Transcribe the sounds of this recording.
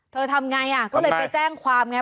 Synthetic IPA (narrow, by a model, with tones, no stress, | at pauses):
t̪ʰɤː˧t̪ʰa˧mŋa˧jʔa˨˩kɔː˥˩lɤː˧jpa˧jt͡ɕɛː˥˩ŋkʰwaː˧mŋa˧˥